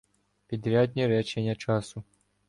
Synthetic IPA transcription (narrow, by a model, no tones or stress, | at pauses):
pʲid̪ɾʲad̪̚ʲnʲiɾɛt͡ʂɛnʲɐt͡ʂasu